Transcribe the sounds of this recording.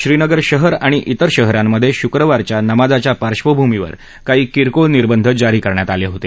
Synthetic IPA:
ɕɾinəɡəɾɕəɦəɾaɽ̃iʔit̪əɾɕəɦɾamːəd̪ʱːjeɕukɾəʋaɾt͡ɕjanəmad͡zat͡ɕjapaɾɕʋəbʱumiʋə̰ɾ | kaɦiːkiɾkoniɾbənd̪ʱəd͡zaɾiːkəɾɳjat̪aleɦot̪e

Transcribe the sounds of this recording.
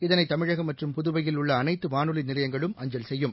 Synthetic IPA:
ɪðɐnɐɪt̪ːɐmɪɻɐɣɐmɐʈrɯmpʊðʊʋɐjɪlʊɭːɐːnɐɪt̪ːɯʋaːnɯlinɪlɐjɐŋɡɐɭɯmʔɐɲd͡ʒɐlsɛjːɯm

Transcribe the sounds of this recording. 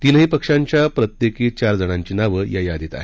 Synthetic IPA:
t̪iːnəɦiːpəkʂaɲt͡ɕjapɾət̪jekiːt͡ɕaɾd͡zəɽ̃aɲt͡ɕiːnaʋəːjajad̪it̪a̰ɦe

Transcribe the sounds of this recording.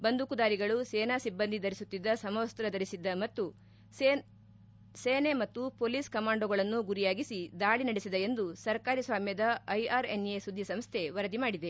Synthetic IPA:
bɐnd̪ʱukud̪aːɾiɡɐɭusɛːnasibːɐnd̪ʱid̪ɐɾisut̪ːid̪ːɐsɐmɐʋɐst̪ɾɐd̪ɐɾisid̪ːɐmɐt̪ːu | seːnemɐt̪ːupoːliːskɐmaːɳɖoɡɐɭɐnːuɡuɾijaːɡisid̪aːɭinɐɽesid̪eend̪usɐɾkaːɾisʋaːmjɐd̪ɐɐjaːɾe̞nesud̪ʱːjɐsɐmst̪ʰe̞ʋɐɾɐd̪imaːɽid̪e

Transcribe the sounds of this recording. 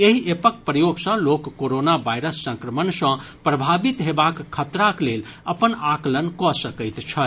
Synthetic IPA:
eɦiʔepək̚pɾəjoɡsə̃lokːoɾonabajɾəsːə̃ŋkɾəmənsə̃pɾəbʱabit̪ɦebakːʰət̪ɾakleləpənaklənkɔsəkəɪt̪t͡ʃʰə

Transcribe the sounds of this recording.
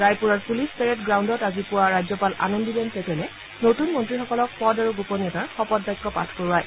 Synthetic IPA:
ɹajpuɹaɹpulispɛɹɛtɡɹawndɔtazipʊwaɹajzɔpalʔa̰nɔndibɛnsɛtʰɛlɛ | notunmɔntɹixɔkɔlɔk̚fɔdaɹuɡupɔniɔtaɹxɔpɔd̚bajkʰːɔpa̰tʰkoɹaj

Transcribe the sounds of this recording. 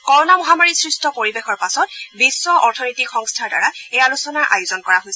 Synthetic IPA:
kɔɹɔnamɔɦamaɹisɹistʰɔpoɹibexɔɹpasɔt̚bisːɔʔɔɹtʰɔnojtikxɔŋstʰaɹda̰ɹaejalusɔnaɹʔa̰jʊzɔnkɔɹaɦojsɛ

